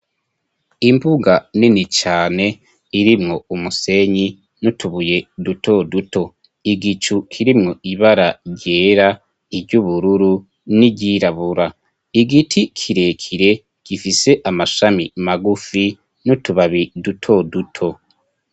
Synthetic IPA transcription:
imbuɡaninit͡ʃaːne̞ | iɾimŋo̞umuse̞ɲi | nutuβuje̞dutʰo̞duto̞ | iɡit͡ʃukʰiɾimŋo̞ʔiβaɾaɾɟe̞ːɾa | iɾɟuβuɾuɾu | niɟiɾaβuɾa | iɡitʰikʰiɾe̞kʰiɾe̞ | ɡ̥ifise̞ʔamaʃamimaɡufi | nutuβaβidutʰo̞dutʰo̞

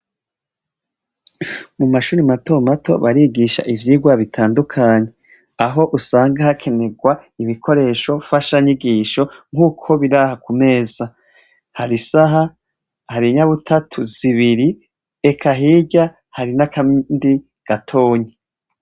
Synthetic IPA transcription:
mumaʃuːɾimato̞mato̞̰βaɾiɡiʃa̰ʔivjiːɡwaβitʰaːndukʰaɲe | aɦo̞ʔusaːŋɡahakʰe̞ne̞ɡwaiβikʰo̞ɾe̞ːʃo̞faʃaɲiɡiːʃo̞ŋ̥huːkʰo̞βiɾahakume̞ːza | haɾisaɦa | haɾiɲaβutʰatʰuz̥iβiɾi | ekʰaɦiɟa | haɾinakandi | ɡ̥atʰo̞ːɲe

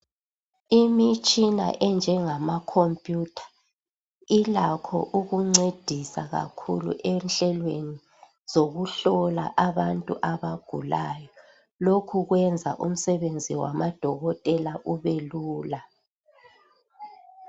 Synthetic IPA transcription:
imit͡ʃʼina̰ʔɛnd͡ʒʱɛŋamakʰompʼjutʰḁ | ilakʰɔ̰ʔuɣuŋ͡ǀed̥ʱisaɣa̰kʰṵlṵʔɛnɬɛlweni | z̥oɣuɬɔla̰ʔaβantʼuʔaβaɡ̥ʱṵlaːjɔ | lokʰuɣwɛnd͡zʱa̰ʔum̩sɛβend͡zʱiwa̰mad̥ʱɔɣɔtʼɛlaʔuβeluːla

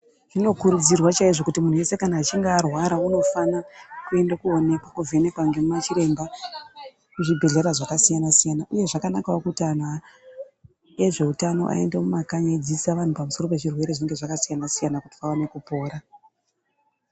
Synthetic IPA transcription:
ʐino̞kuɾud͡zirwat͡ʃaiʐo̞kutimun̤uwe̞se̞kanaːt͡ʃiŋɡaːrwaɾauno̞fanakue̞ndekuo̞ne̞kwakuvʱe̞ne̞kwaŋɡe̞mumat͡ʃiɾe̞mba | kuʐibʱe̞ɮe̞ɾaʐakasijanasijanaʔuje̞ʐakanakaokutian̤a | e̞ʐe̞utano̞̰ʔa̰e̞̰ndemumakaɲaid͡zisaʋan̤upamuso̞ro̞pe̞ʐirwe̞ɾeʐineŋɡe̞ʐakasijanasijanakuti̥pawane̞kupo̞ːɾa

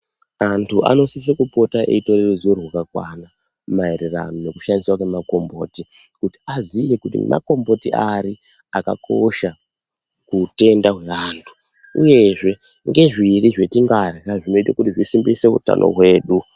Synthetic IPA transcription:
antʰuʔa̰no̞sis̬ekupo̞taʔḛitorerezorwakakwana | maeɾira̰none̞kuʃaniswake̞mako̞mboːti | kuti̥azijekutḭmʔa̰ko̞mbo̞tiaɾi | aka̰kʰo̞ʃa | kute̞ndaɦwe̞aːntʰu̥ | uje̞ʐe̞ | ŋɡe̞ʐiriʐe̞tiŋɡarraʐino̞itakutiʐisimbiseṵta̰nʔo̰ɦwe̞ːɗu

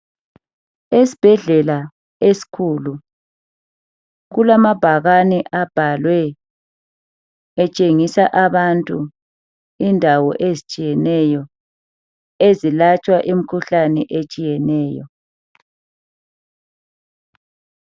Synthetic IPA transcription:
esi̥b̥ʱɛɮɛla | esi̥kʰulu | ɣulamab̥ʱaɣanɛʔab̥ʱalwɛ | ɛt͡ʃʼeŋisaʔaβantʼu | indʱawɔ̰ʔezit͡ʃʼijɛnɛjɔ | ezilat͡ʃʼwaʔimikʰuɬanɛʔet͡ʃʼijɛnɛːjɔ̰

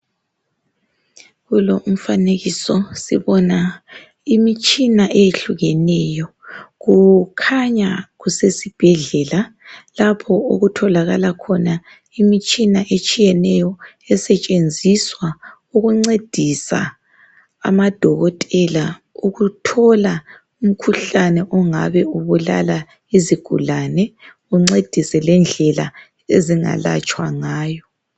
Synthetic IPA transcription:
ɣuloum̩faneɣisɔsḭβɔna | imit͡ʃʼinaʔejeɬuɣɛnɛːjɔ | ɣukʰaɲaɣusesib̥ʱɛɮɛla | lapʰɔoɣutʰɔlaɣalakʰɔna | imit͡ʃʼinaʔet͡ʃʼijɛnɛjɔ | ɛsɛt͡ʃʼend͡zʱiswa | uɣuŋ͡ǀed̥ʱisa̰ | a̰mad̥ʱɔɣɔtʼɛlauɣutʰɔla | um̩kʰuɬanɛʔɔŋa̰βɛuβula̰la | iziɡ̥ʱṵlanɛ | uŋ͡ǀed̥ʱisɛlɛnd͡ɮʱɛla | eziŋa̰la̰t͡ʃʼwaŋaːjɔ

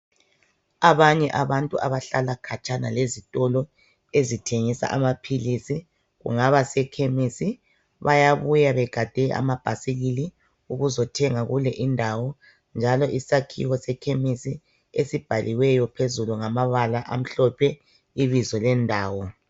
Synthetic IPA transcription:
aβaɲɛʔaβantʼuaβaɬalakʰat͡ʃʼanalezitʼɔlɔ | ezitʰeŋisa̰ʔamapʰilisi | ɣṵŋaβasɛkʰemisi | βajaβujaβɛɡ̥ʱad̥ʱɛʔa̰mab̥ʱasiɣili | uɣuzɔtʰɛŋaɣulɛʔindʱawɔ | nd͡ʒʱalɔʔisakʰḭwɔsɛkʰemisi | esib̥ʱaliwɛjɔpʰezuluŋamaβalaʔam̩ɬɔpʰɛ | iβizɔlɛndʱaːwɔ

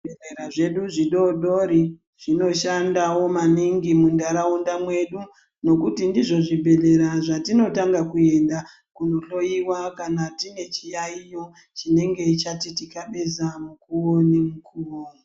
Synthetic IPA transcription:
eeɾaʐe̞ɗuʐiɗo̞ɗo̞ɾi | ʐ̥ino̞ʃandawo̞maniŋɡimundaɾaundamwe̞ɗu | no̞kutindiʐo̞ʐibʱe̞ɮe̞ɾaʐatino̞taŋɡakue̞nda | kuno̞ɬo̞jiwakanatine̞t͡ʃijaijo̞ | t͡ʃine̞ŋɡe̞it͡ʃatitikaɓe̞zamukuwo̞nemukʰuːwo

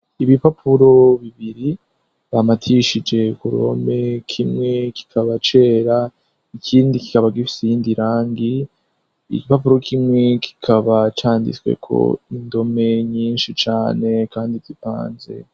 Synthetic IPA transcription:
iβipapʰuɾo̞βiβiɾi | βamatʰiʃid͡ʒe̞kuɾṵo̰me̞kʰimŋe̞ki̥kʰaβat͡ʃe̞ːɾa | ikʰiːndiki̥kaβaɡifi̥seindiɾaːŋɡi | ḭɡipapuɾo̞kʰimŋe̞kʰi̥kʰaβat͡ʃaːndḭt͡swḛkʰo̰indo̞me̞ɲiːnʃit͡ʃaːne̞kaːndivdipa̰ːnze̞̰

